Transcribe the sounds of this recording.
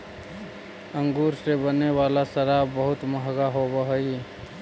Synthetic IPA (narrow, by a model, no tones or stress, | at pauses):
ə̃ŋɡuːɾsebənewaːlasəɾaːbəɦʊt̪məɦɡaɦobəɦə